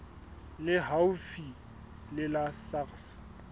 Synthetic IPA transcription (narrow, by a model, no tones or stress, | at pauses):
lɪɦawufi | lɪlasaks